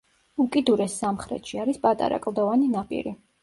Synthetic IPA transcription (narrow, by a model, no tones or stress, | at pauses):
ukʼid̪uɾɛsːamχɾɛ̰t̪ʃiaɾispʼat̪ʼa̰ɾa̰kʼlˠd̪ɔvaninapʼḭɾḭ